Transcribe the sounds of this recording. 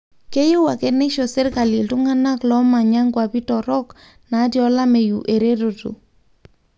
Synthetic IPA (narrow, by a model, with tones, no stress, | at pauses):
ke˦jo˦wa˨ke˦ne˦ʃo˨se˦ɾka˨li˨ltu˦ŋa˦na˦klɔ˦ma˨ɲa˦ŋɡwa˨pi˦tɔ˨ɾɔ˦k | na˨˦tjɔ˦la˦me˨ju˨ʔe˨ɾe˦ɾo˨tṵ˨